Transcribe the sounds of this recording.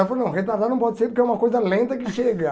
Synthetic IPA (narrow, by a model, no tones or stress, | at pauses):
ɛpoɾnɐ̃w̃ɦet̪aɾd̪aɾnɐ̃w̃pɔd͡ʒɪseɾpʊɾkɛũmɐkojzɐlẽnt̪ɐkɪʃeɡɐ